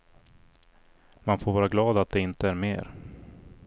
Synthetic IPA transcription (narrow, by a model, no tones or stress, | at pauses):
manfoːɾvɑːɾaɡlɑːd̪at̪̚d̪ɛɪnt̪əæɾmḛːɾ